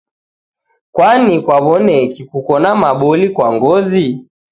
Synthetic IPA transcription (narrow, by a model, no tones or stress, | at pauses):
kwanikwaβɔnɛkikukɔnamaɓɔlikwaŋɡɔzi